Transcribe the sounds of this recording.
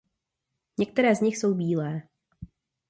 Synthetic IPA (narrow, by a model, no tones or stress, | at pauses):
ɲɛkt̪ɛɾɛːzɲɪxso̞wbiːlɛː